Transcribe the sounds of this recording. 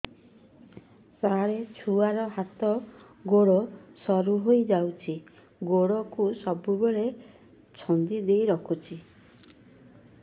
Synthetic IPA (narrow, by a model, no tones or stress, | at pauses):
saɾet͡ʃʰuaɾɔɦat̪ɔ | ɡoɽɔsɔɾuɦojd͡ʒawt͡ʃʰi | ɡoɽɔkusɔbubeɭe | t͡ʃʰɔnd̪id̪ejɾɔkʰut͡ʃʰi